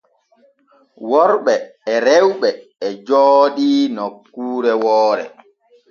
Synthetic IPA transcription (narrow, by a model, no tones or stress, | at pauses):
wɔɾɓɛːɾewɓɛːd͡ʒɔːɗinɔkːuːɾɛwɔːɾɛ̰